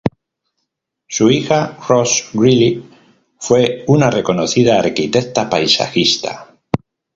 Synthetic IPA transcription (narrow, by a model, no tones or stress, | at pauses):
suixarosɡɾili | fwe̞unare̞ko̞noθið̞aːɾkit̪ekt̪apajsa̰xist̪a̰